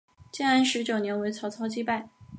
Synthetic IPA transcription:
t͡ɕjɛ˥˧a˥nʂɻ̩˧˥t͡ɕjo˨˩ʊnjɛ˧˥nwe˧˥ɪt͡sʰɑ˧˥ʊt͡sʰɑ˥˧ʊt͡ɕi˥˧pa˥˩ɪ

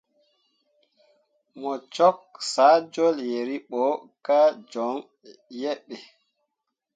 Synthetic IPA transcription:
mɔ˨t͡ʃɔ˦k̚saː˨˦d͡ʒɔ˦lje˨ɾi˦ɓɔ˨˦ | ka˦d͡ʒɔ˨˦ŋ | jɛ˦ɓːɛ˨

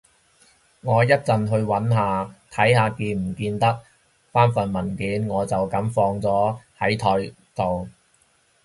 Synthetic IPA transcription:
ŋɔː˨˧jɐ˥t̚t͡sɐ˨nɦɵ˧ɥwɐ˨˥nɦaː˨˧t̪ʰɐ˨˥jhaː˨˧kiː˧m̩˨˩kiː˧nt̪ɐ˥k̚ | faː˥nfɐ˨nmɐ˨˩nkiː˨˥nŋɔː˨˧t͡sɐ˨wkɐ˨˥mfɔː˧ŋt͡sɔː˨˥hɐ˨˥jt̪ʰɔː˨˧j | t̪o˨w

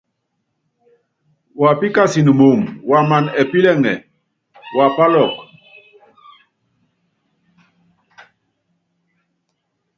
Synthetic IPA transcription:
wa˨pi˦ka˦si˨n˨mu˨mwa˨ma˨nɛ˨pi˦lɛ˦˨ŋɛ˨ | wa˨pa˦lɔ˦˨k

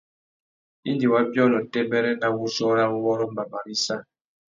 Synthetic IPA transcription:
i˦ndi˨wa˦bjɔ˦˨nɔ˨tɛ˦bɛ˦ɾɛ˦na˦˨wu˦sɔ˦ɾa˦wɔ˦ɾɔ˦mba˨ba˨ɾi˦sa˦

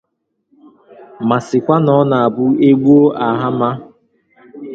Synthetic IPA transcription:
ma˨sɪ˨kʷa˦nɔ˦na˨a˨bʊ˦e˦ɡ͡bu˦o˦ʔa˨ɦa˦ma˦

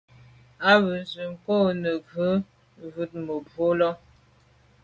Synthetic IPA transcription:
a˦βʉ˨zə˨ŋ̩˨ko˦˨nə˨ɡʉ˦ | vʉ˨˦t̚mə˨bo˨˦lɔ˦

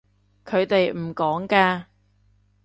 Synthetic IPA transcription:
kʰɵ˨˧ɥt̪e˨jm̩˨˩kɔː˨˥ŋkaː˧

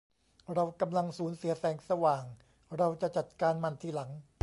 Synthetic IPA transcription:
ɾa˧wka˧mla˧ŋsuː˩˦nsi˩˦ɐsɛː˩˦ŋsa˧waː˨˩ŋ | ɾa˧wt͡ɕa˨˩t͡ɕa˨˩t̪̚kaː˧nma˧nt̪ʰiː˧˩la˩˦ŋ

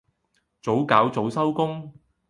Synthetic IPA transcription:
t͡so˨˥wkaː˨˥wt͡so˨˧wsɐ˥wkʊ˥ŋ

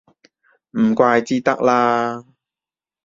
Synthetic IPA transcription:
m̩˨˩kʷaː˧jt͡siː˥t̪ɐ˥k̚laː˧

